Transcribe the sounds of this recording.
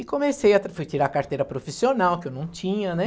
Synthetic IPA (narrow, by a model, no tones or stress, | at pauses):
ɪkõmesejɐt̪ɾfujt͡ʃiɾakaɾt̪ejɾɐpɾofisionawkɪewnɐ̃w̃t͡ʃĩɲɐnɛ